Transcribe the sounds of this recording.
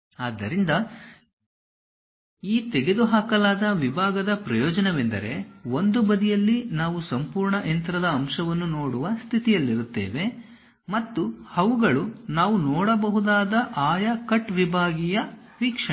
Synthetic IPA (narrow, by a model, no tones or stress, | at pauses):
aːd̪ːɐɾind̪ɐ | iːt̪eɡe̞d̪uɦaːkɐlaːd̪ɐʋibʱaːɡɐd̪ɐpɾɐjɔːd͡ʒɐnɐʋend̪ɐ̰ɾe̞ond̪ubɐd̪ijɐlːinaːʋusɐmpuːɾɳɐʔent̪ɾɐd̪ɐːmʂɐʋɐnːunoːɽuʋɐst̪ʰit̪ijɐlːiɾut̪ːḛːʋe̞ | mɐt̪ːuhɐʋuɡɐɭunaːʋunoːɽɐbɐɦud̪aːd̪ɐʔaːjɐkɐʈʋibʱaːɡijɐʋiːkʂɐ